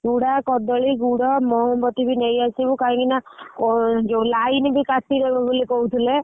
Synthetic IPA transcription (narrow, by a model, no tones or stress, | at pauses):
ɡuɽakɔd̪ɔɭiɡuɽɔmɔɦɔ̃mbɔt̪ibʱinejasibukaĩkinaɔd͡ʒolainbʱikasiɾebɔbolikɔɦut̪ʰile